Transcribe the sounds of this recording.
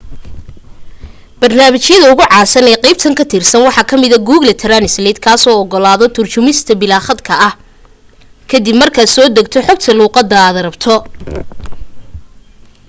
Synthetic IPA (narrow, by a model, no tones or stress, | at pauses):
b̥ɐrnaːmɪt͡ʃjɐðɐʊɣʊʕɑːsɐnɛːqɛjb̚t̪ʰɐŋkʰɐt̪ʰirsɐnwɑħɑkʰɐmɪðɐɡuːɣlɐt̪ʰɛɾɐnɪslɛːd̪kʰaːsɔːɔɡɔlaːðɔt̪ʰʊrt͡ʃʊmɪst̪ʰɐbɪlaːχɐd̪kʰɐʔɐh | kʰɐd̪ɪbmɐrkʰɐsɔːd̪ɐɡt̪ʰɔħɔɡt̪ʰɐluːqɑd̪ɐːðɐɾɐbt̪ʰɔ